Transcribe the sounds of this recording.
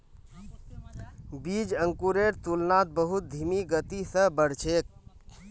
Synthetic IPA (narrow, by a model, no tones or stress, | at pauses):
bid͡ʒəŋkuɾeɾt̪ulnat̪̚bəɦut̪̚d̪ʱimiɡət̪isə̃bəɽ̤t͡ʃʰek̚